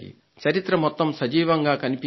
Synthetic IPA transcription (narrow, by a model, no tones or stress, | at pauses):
jḭ | t͡ʃɐɾit̪ɾɐmɔt̪ːɐmsɐd͡ʒiːʋɐŋɡaːkɐnipi